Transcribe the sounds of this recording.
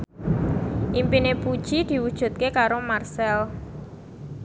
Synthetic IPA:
ʔimpinepud̥ʒ̥id̪̥i̤wud̥ʒ̥ṳt̪̚kekaɾomarsɛl

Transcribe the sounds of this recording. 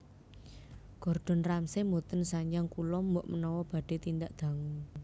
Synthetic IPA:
ɡ̥ɔ̤rd̪̥ɔ̤nramsemot̪ənsaɲaŋkulɔmbʊʔmənɔwɔb̥ä̤ɖ̥e̤t̪ind̪aʔd̪̥ä̤ŋuŋ

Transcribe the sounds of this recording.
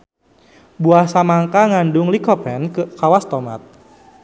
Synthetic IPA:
buahsamaŋkaŋandʊŋlikɔpɛnkəkawast̪ɔma̰t̪̚

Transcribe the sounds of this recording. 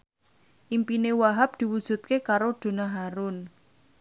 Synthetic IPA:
ʔimpinewaɦap̚d̪̥i̤wud̥ʒ̥ṳt̪̚kekaɾod̪̥o̤naɦaɾʊn

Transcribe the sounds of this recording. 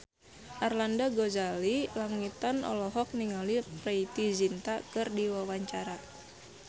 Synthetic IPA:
ʔarlandaɡozalilaŋit̪anɔ̰lɔɦɔk̚niŋaliprɛit̪izint̪akɨrdiwawaɲt͡ʃaɾa

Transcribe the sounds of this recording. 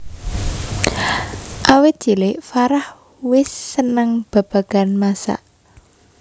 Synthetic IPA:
ʔawɪt̪̚dd͡ʒ̥ilɪfaɾah | wɪsːənəŋb̥a̤b̥a̤ɡ̥a̤nmasa̰ʔ

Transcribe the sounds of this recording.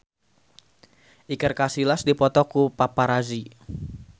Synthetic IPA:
ʔikərkasilasdipɔt̪ɔkupapaɾazi

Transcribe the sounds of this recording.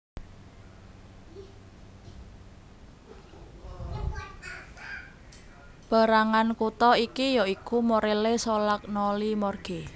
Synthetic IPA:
b̥a̤ɾaŋankut̪ɔikijɔikumoɾelesolak̚nɔlimɔrɡ̥e

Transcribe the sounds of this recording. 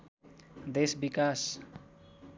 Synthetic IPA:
d̪esbikas

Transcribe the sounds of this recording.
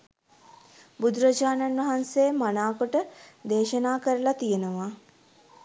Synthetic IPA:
bud̪ɾɐd͡ʒaːnanʋɐɦansejmanaːkoʈəd̪eːʃənaːkəɾəlat̪ijenəʋa

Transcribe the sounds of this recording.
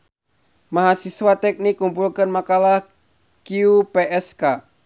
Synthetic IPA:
maɦasiswat̪ɛk̚nikːumpulkənmakalah | kiupɛʔɛska

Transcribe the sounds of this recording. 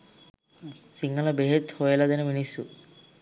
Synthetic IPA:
siŋɡɐlɐbeɦet̪hojɐlɐd̪ɐnɐminisu

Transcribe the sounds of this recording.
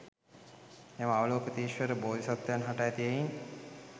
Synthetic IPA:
eməaʋəloːkət̪iːʃʋəɾəboːd̪ʱisɔt̪ːəjanɦaʈajt̪ijejin

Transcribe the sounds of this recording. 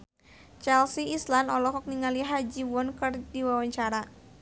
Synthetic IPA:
t͡ʃɛlsiislanɔlɔɦɔk̚niŋaliɦad͡ʒiwɔnkərdiwawaɲt͡ʃaɾa

